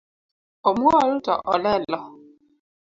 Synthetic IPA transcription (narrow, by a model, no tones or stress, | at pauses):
ɔmuɔl̩tɔ̰ʔɔ̰lɛlɔ